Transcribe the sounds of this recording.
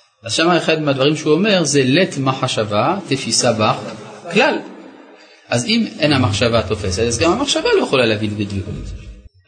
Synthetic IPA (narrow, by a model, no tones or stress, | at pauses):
ʔazʃamaeχad̪mad̪vaʁimʃeuome̞ʁzelet̪maħaʃavat̪efisabaχklal | ʔʔazimʔenhamaχʃavat̪o̞fe̞set̪azɡamhamaχʃavalo̞jeχolaleavilbed̪likut